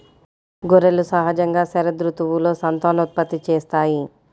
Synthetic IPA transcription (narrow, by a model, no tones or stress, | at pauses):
ɡoɾelusɐɦɐd͡ʒɐŋɡaːsɛɾɐd̪ɾut̪uʋulo̞ːsɐnt̪aːnut̪̚pɐt̪ːit͡ʃeːst̪aːji